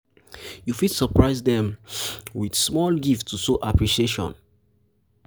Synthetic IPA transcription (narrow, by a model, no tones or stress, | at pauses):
jufidsɔpɹaɪsdɛ̃mwidsmɔlɡiftʰːusoʔapɹiʃieʃɔ̰̃n